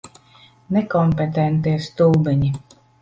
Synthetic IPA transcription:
nɛkɔmpet̪ɛnt̪̬iɛst̪ulbɛɲi

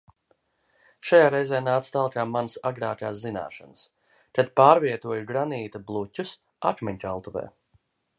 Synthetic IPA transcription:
ʃajaːɾɛjzɛːnaːt̪st̪alˠkaːmansaɡɾaːkaːszina̰ːʃanəs | t̪ad̪paːɾviɛt̪uɔjuɡɾaniːt̪ablˠutʲːus | a̰k̪mʲɛɲʲtʲalˠt̪uvɛ̰ː

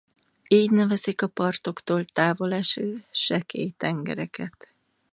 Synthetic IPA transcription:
iːɟnɛvɛzikɒpɒrt̪o̞kt̪oːlt̪aːvo̞lɛʃøːʃɛkḛːjt̪ɛŋɡɛ̰ɾɛkɛt̪

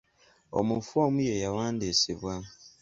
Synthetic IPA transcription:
o̰mufwomujejawaːndisiβwa

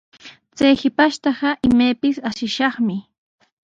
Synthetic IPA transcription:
t͡sajhɪpaʃt̪ɑɢɑʔɪmajpɪsaʃɪʃɑχmɪ

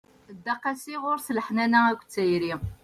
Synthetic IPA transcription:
d̪ːɑqæsiʁʊɾslħnænæækʷːt͡sːæjɾi

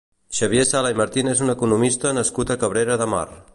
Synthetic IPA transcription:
ʃəβjesalaiməɾt̪inezunəkunumist̪ənəskut̪əkəβɾeɾəðəma̰r

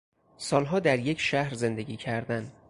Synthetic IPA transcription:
sɒːlɦɒːd̪æɾjecʰʃæhɾze̞nd̪e̞ɡiːcʰæɾd̪æn

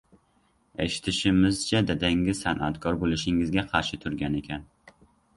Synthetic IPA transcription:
ḛʃɪ̥t̪ʰɪʃɪmɪzt͡ʃʰad̪ad̪aŋɪzsanʔa̰t̪kʰɒɾbolɪʃɪŋɪzɡʲaqʰɑɾʃɪt̪ʰʊɾɡʲane̞kʲʰan

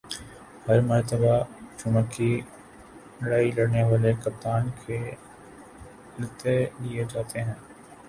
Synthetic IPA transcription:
hɐɾmɐɾt̪əbat͡ʃʊməkːi | nɐɽaːilɐɽneʋaːlekɐp̚t̪aːnkʰe | lɪt̪elied͡ʒaːt̪eɦɛ̃ː

